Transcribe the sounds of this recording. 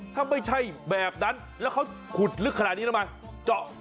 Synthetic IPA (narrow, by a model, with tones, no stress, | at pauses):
t̪ʰaː˧˥˩ma˧˥˩jt͡ɕʰa˧˥˩jbɛː˨˩p̚na˦˥n | lɛː˦˥wkʰa˦˥w | kʰu˨˩t̪̚lɯ˦˥kʰa˧a˨t̪niː˧˦˧ma˧n | t͡ɕɔ˧˩ʔ